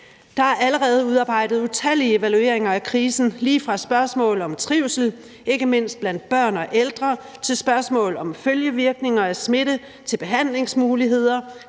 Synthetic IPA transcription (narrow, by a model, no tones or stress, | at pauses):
d̥ɑ̈æɐʔæləʁɛːð̞̩ˠuð̞ˠɑ̈ːb̥ɑ̈ɪ̰d̥ð̞̩ˠut͡sʰæl̰ie̝ʋælue̝ɐ̰eŋɐækʰʁiːsn̩liːfʁɑ̈sb̥ɶɐsmɔ̰̽ːlɒ̽mt͡sʰʁiʊ̰sl̩ | ʔe̝ɡ̥əme̝n̰sd̥̚b̥læn̰d̥̚b̥ɶɐ̰nɒ̽ʔeld̥ʁɐt͡sʰe̝lsb̥ɶɐsmɔ̰̽ːlɒ̽mføljəʋiɐɡ̥ne̝ŋɐæsme̝ɾ̥ə | t͡sʰe̝lb̥e̝ɦæn̰le̝ŋsmuːliɦe̝ð̞̰ˠɐ